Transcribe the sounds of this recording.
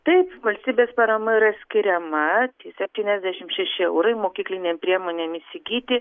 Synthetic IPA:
t̪ɐɪpʋɐlʲsʲt̪ʲiːbʲeːspɐɾɐmɐiːɾɐsʲkʲɪɾʲɛmɐt̪ʲiːsʲɛpʲt̪ʲiːnʲɛzʲd̪ʲæʃʲɪmʃʲɛʃʲɪɛʊɾɐɪmoːkʲiːklʲɪnʲeːmʲpʲɾʲiɛmoːnʲeːmɪsʲɪɡʲiːt̪ʲɪ

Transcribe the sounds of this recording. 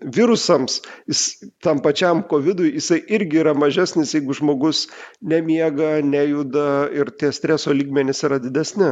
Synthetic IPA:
ʋʲɪɾʊsɐmsjɪst̪ɐmpɐt͡ʃʲɛmkoːʋʲɪd̪ʊjjɪsɐɪʔɪɾʲɡʲɪiːɾɐmɐʒʲæsʲnʲɪsjɛɪɡʊʒmoːɡʊsnʲɛmʲiɛɡɐnʲæjud̪ɐɪɾt̪ʲiɛsʲt̪ʲɾʲæːsoːlʲiːɡmʲɛnʲɪsiːɾɐd̪ʲɪd̪ʲɛsʲnʲɪ

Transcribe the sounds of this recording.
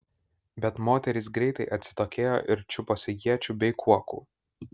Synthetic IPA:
bʲɛt̪moːt̪ʲɛɾʲɪsɡɾʲɛɪt̪ɐɪʔɐt̪ʲsʲɪ̥t̪oːkʲeːjo̰ːʔɪɾt͡ʃʲʊposʲɪjʲiɛt͡ʃʲubʲɛɪkʰuɔkṵː

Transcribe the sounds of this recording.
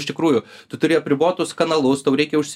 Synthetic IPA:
ʃʲt̪ʲɪkɾuːjʊ | t̪ʊt̪ʊɾʲɪɐpʲɾʲɪboːt̪ʊskɐnɐlˠʊst̪ɐʊɾɛɪkʲɛʊʃʲsʲ

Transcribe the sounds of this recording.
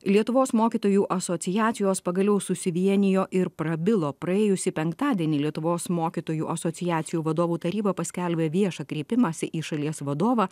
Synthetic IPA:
lʲiɛt̪ʊʋoːsmoːkʲiːt̪oːjuːʔɐsoːt̪sʲɪjæːt̪sʲɪjoːspɐɡɐlʲɛʊsʊsʲɪʋʲiɛnʲɪjoːʔɪɾpɾɐbʲɪlˠoːpɾɐeːjʊsʲɪpʲɛŋkt̪ɑːd̪ʲiɛnʲiːlʲiɛt̪ʊʋoːsmoːkʲit̪oːjuːʔɐsoːt̪sʲɪjæːt̪sʲɪjuːʋɐd̪oːʋuːt̪ɐɾʲiːbɐpɐsʲkʲælʲbʲeːʋʲiɛʃɐkɾʲeːpʲɪmɑsʲɪʔiːʃɐlʲiɛsʋɐd̪oːʋɑ

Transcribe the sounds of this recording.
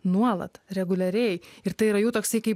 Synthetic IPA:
nuɔlˠɐ̰t̪ɾʲɛɡʊlʲɛɾʲɛjɪɾt̪ɐɪiɾɐjuːt̪oːksʲɐɪkɐɪp

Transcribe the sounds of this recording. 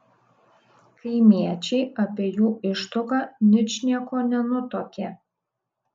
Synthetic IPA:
kʰɐɪmʲiɛt͡ʃʲɛɪɐpʲiɛjuːɪʃt̪ʊkɐnʲɪt͡ʃnʲiɛkoːnʲɛnʊt̪oːkʲɛ

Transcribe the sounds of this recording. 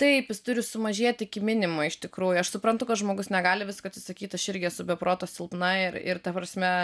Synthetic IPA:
t̪ɐɪpjɪst̪ʊɾʲɪsʊmɐʒʲiɛt̪ʲɪkʲɪmʲɪnʲɪmoɪʃt̪ʲɪkɾuːjʊɐʃsʊpɾɐnt̪ʊkɐt̪ʒmoːɡʊsnʲɛɡɑːlʲɪʋʲɪskoːɐt̪ʲsʲɪsɐkʲiːt̪ɐʃɪɾʲɡʲɪɐsʊbʲɛpɾoːt̪oːsʲɪlˠpnɐɪɾɪ̰ɾt̪ɐpɾɐsʲmʲɛ

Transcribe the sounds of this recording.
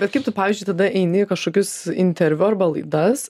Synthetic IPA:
bʲɛt̪kɐɪpt̪ʊpɑːʋʲiːzʲd͡ʒʲʊɪt̪ɐd̪ɐʔɛɪnʲɪɪkɐʃkoːkʲʊsɪnʲt̪ʲɛɾʲʋʲʊɐɾbɐlˠɐɪd̪ɐs

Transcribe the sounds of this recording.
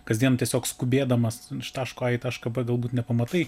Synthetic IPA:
kɐzd̪ʲiɛnt̪ʲiɛsʲoːkskʊbʲeːd̪ɐmɐsʃt̪ɑːʃkoːɑːɪt̪ɐʃkɐbɐɡɐlˠbuːt̪nʲɛpɐmɐt̪ɐɪ

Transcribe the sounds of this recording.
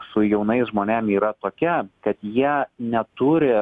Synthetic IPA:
sʊjɛʊnɐɪsʒmoːnʲɛmiːɾɐt̪oːkʲɛkɐt̪jiɛnʲɛt̪uɾʲɪ

